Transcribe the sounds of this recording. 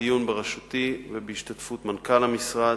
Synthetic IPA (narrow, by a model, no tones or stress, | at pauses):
ijunbeʁaʃut̪ivebeiʃt̪at̪fut̪mankalhamisʁa